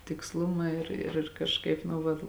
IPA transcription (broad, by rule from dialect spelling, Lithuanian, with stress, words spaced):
tʲɪksˈlˠʊmɐ ɪr ɪr kɐʃˈkɐɪp nʊ ˈʋɐt